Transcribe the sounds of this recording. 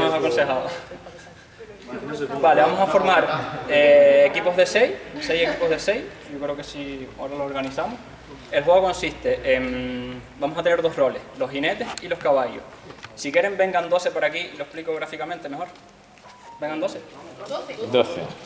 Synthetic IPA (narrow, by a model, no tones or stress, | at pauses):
mosakonse̞ɦaðo | baleβamosafo̞ɾmaɾeːkipo̞ɦðe̞sejsejekipo̞ɦðesej | ɟ͡ʝokɾeokesiaɾalooɾɣanisamoh | elɦweoko̞nsiht̪eʔembamosat̪e̞ne̞ɾðo̞ɦro̞leslo̞ɦhine̞t̪esilo̞hkaβajo̰h | sikje̞ɾembe̞ŋɡand̪o̞sepaɾakiloehplikoɣɾafikamẽnt̪emeho̞ɾ | beŋɡand̪o̞se | d̪oθḛ